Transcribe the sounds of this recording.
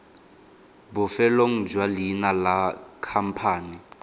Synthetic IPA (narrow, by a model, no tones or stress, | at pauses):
bʊfɛloŋ̩d͡ʒwalinalakʰam̩pʰaːni